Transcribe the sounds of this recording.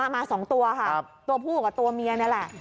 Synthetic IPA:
a˥˩maː˧sɔː˩˦ŋt̪u˧ɐkʰa˥˩p̚t̪u˧ɐpʰuː˥˩ka˨˩t̪u˧ɐmi˧ɐ˧na˥˩lɛ˨˩ʔ

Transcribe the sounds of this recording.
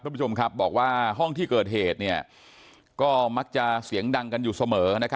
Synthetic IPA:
a˥˩pʰːt͡ɕʰo˧mkʰa˦˥p̚bɔː˨˩k̚waː˥˩ɦɔ˥˩ŋt̪ʰiː˥˩kɤː˨˩t̪̚ɦeː˨˩t̪̚ni˥˩ɐ | kɔː˥˩ma˦˥k̚t͡ɕa˨˩si˩˦əŋda˧ŋka˧njuː˨˩sa˧mɤː˩˦na˦˥kʰa˦

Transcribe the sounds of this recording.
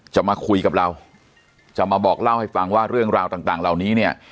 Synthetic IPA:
t͡ɕa˨˩maː˧kʰu˧jka˨˩p̚ɾa˧w | t͡ɕa˨˩maː˧bɔː˨˩k̚la˥˩wha˥˩jfa˧ŋwaː˥˩ɾɯ˥˩əŋɾaː˧wt̪aː˨˩t̪aː˨˩ŋla˨˩wniː˦˥ni˥˩ə

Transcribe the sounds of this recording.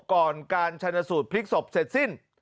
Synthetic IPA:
kɔː˨˩nkaː˧nt͡ɕʰa˧nːa˧suː˨˩t̪̚pʰli˦˥k̚so˨˩p̚se˨˩t̪̚si˥˩n

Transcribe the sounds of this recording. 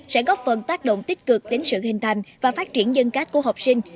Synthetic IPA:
sɛ̰˧˥ɣɔ˦˥fə˨˩nt̪aː˦˥k̚ɗo̰˧˨ŋ͡mt̪i˦˥t̚kɨ˨˩k̚ɗe˨˦nsɨ̰˧˨ɦï˨˩ŋ̟t̪ʰa˨˩jŋ̟vaː˨˩faː˦˥t̚t͡ɕi˧˩ənzə˧ŋkaː˦˥t̚ku˧˩ɦa˨˩wk͡p̚sï˧ŋ̟

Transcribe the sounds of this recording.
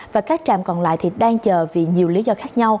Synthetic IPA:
vaː˨˩kaː˦˥k̚t͡ɕa̰ː˧˨mkɔ˨˩nla̰ː˧˨jt̪ʰi˨˩ɗaː˧ŋt͡ɕəː˨˩vḭ˧˨˩ɲi˨˩əwli˨˦zɔ˧xaː˦˥k̚ɲa˧w

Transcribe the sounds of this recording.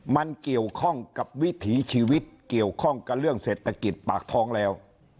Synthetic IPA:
ma˧nki˨˩əwkʰɔ˥˩ŋka˨˩p̚wi˦˥t̪ʰiː˩˦t͡ɕʰiː˧wi˦˥t̪̚ki˨˩əwkʰɔ˥˩ŋka˨˧˩ɾɯ˥˩əŋseː˨˩t̪ʰːa˧ki˨˩t̪̚paː˨˩k̚t̪ʰɔː˦˥ŋlɛː˦˥w

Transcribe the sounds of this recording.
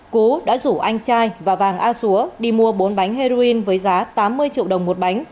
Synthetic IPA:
ku˨˦ɗa̰ː˧˥zu˧˩ʔa˧jŋ̟t͡ɕaː˧jvaː˨˩vaː˨˩ŋʔaː˧su˨˦əɗi˧˩mu˧əɓo˨˦nɓa˨˦jŋ̟he˧zo˧i˧nvəː˨˦jzaː˨˦t̪aː˨˦mːɨ˧əjt͡ɕḭ˧ə˨wɗə˨˩wŋ͡mmo˨˩t̚ɓa˨˦jŋ̟

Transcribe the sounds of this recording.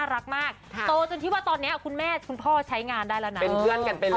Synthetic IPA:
aː˥˩ɾa˦˥k̚maː˥˩k̚t̪oː˧t͡ɕo˧nt̪ʰiː˥˩waː˥˩t̪ɔː˧nːi˦˥ɐkʰu˧nmɛː˥˩kʰu˧npʰɔː˥˩t͡ɕʰa˦˥jŋaː˧ndaː˥˩jlɛ˦˥na˦˧e˧˥nːpɯ˥˩ənka˧npe˧

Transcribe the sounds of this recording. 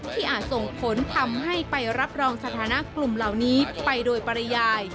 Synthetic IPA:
t̪ʰiː˥˩ʔaː˨˩t̪̚so˨˩ŋpʰo˨˩˦nt̪ʰa˧mɦa˥˩jpa˧jɾa˦˥p̚ɾɔː˧ŋsa˧t̪ʰaː˩˦na˦˥ʔklu˨˩mla˨˩wniː˦˥pa˧jdoː˧jpa˧ɾa˧jaː˧j

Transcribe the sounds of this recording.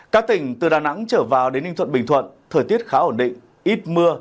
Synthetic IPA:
kaː˦˥k̚t̪ï˨˩ŋ̟t̪ɨ˨˩ɗaː˨˩na̰˧˥ŋt͡ɕəː˧˩vaː˨˩wɗe˨˦nːï˧ŋt̪ʰwə̰˧˨nɓï˨˩ŋ̟t̪ʰwə̰˧˨nt̪ʰəː˨˩jt̪i˦˥ət̚xaː˨˦ʔo˧˩nɗḭ̈˧˨ŋ̟ | ʔi˦˥t̚mɨ˧ə

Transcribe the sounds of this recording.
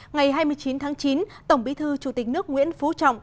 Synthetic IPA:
ŋa˨˩jɦaː˧jmɨ˧əjt͡ɕi˨˦nt̪ʰaː˨˦ŋt͡ɕi˨˦nt̪ə˧˩wŋ͡mɓi˨˦t̪ʰɨ˧t͡ɕu˧˩t̪i˨˩k̚nɨ˦˥ək̚ŋwḭ˧˥ənfu˨˦t͡ɕɔ̰˧˨wŋ͡m

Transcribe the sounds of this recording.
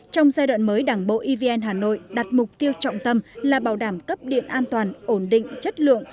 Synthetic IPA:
t͡ɕɔ˧wŋ͡mzaː˧jɗwa̰˧˨nməː˨˦jɗaː˨˩ŋɓo̰˧˨ʔi˧vi˧ʔɛ˧nɦaː˨˩no̰˧˨jɗa˨˩t̚mʊ˨˩k͡p̚t̪i˧əwt͡ɕɔ̰˧˨wŋ͡mt̪ə˧mlaː˨˩ɓaː˨˩wɗaː˧˩mkə˦˥p̚ɗḭ˧˨ənʔaː˧nt̪waː˨˩nʔo˧˩nɗḭ̈˧˨ŋ̟t͡ɕə˦˥t̚lɨ̰˧˨əŋ

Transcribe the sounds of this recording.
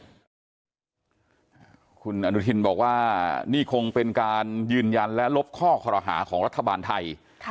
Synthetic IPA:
kʰu˧nʔa˧nu˦˥t̪ʰi˧nbɔ̰ː˨˩k̚waː˥˩niː˥˩kʰo˧ŋpe˧nkaː˧njɯː˧nja˧nlɛ˦˥lo˦˥p̚kʰɔː˥˩kʰɔ˧ɾa˧ɦa̰ː˩˦kʰɔː˩˦ŋɾa˦˥t̪ʰːa˧baː˧nt̪ʰa˧j

